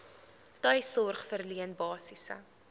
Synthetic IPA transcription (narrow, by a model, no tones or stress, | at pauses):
tœjsɔrχfərliənbɑːsisə̰